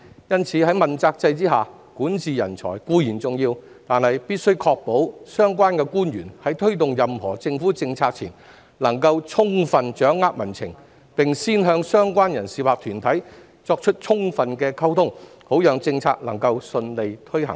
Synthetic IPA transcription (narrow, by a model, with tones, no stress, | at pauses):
jɐ˥nt͡sʰiː˨˥hɐ˨˥jmɐ˨˩nt͡saː˧k̚t͡sɐ˧jt͡siː˥ɦaː˨˩ | kuː˨˥nt͡sʰiː˨˧jɐ˨˩nt͡sʰɔ̰ː˨˩jkuː˧jiː˨˩nt͡sʊ˨ŋjiː˧w | t̪aː˨nhɐ˨jpiː˥t̚sɵ˥ɥkʰɔː˧k̚po˨˥wsœː˥ŋkʷaː˥nkɛː˧kuː˥nɥyː˨˩nhɐ˨˥jt̪ʰɵ˥ɥt̪̬ʊ˨ŋjɐ˨mhɔ̰ː˨˩t͡sɪ˧ŋfuː˨˥t͡sɪ˧ŋt͡sʰaː˧k̚t͡sʰiː˨˩n | lɐ˨˩ŋkɐ˧wt͡ʃʰʊ˥ŋfɐ˨nt͡ʃœː˨˥ŋːaː˥k̚mɐ˨˩nt͡sʰɪ̰˨˩ŋ | pɪ˨ŋsiː˥nɦœː˧ŋsœː˥ŋkwaː˥njɐ˨˩nsiː˨˩waː˨k̚t̪ʰyː˨˩nt̪ʰɐ˨˥j | t͡sɔː˧k̚t͡ʃʰɵ˥t̚t͡ʃʰʊ˥ŋfɐ˨nkɛː˧kʰɐ˥wt̪ʰʊ˥ŋ | ho˨˥wjœː˨˧ŋt͡sɪ˧ŋt͡sʰa̰ː˧k̚lɐ˨˩ŋkɐ˧wsɵ˧nle˨˧jt̪ʰɵ˥ɥɦɐ̰˨˩ŋ